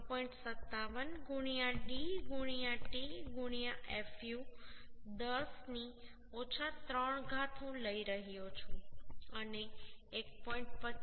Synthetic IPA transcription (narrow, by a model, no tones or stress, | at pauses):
pɔĩɳʈsət̪ːaʋənɡuɽ̃ijaɖiɡuɽ̃ijaʈiɡuɽ̃ijaʔefju | d̪əsni | ot͡ʃʰat̪ɾəɳ̃ɡʱat̪ʰõləiɾəɦjot͡ʃʰõəneːk̚pɔĩɳʈ̚pə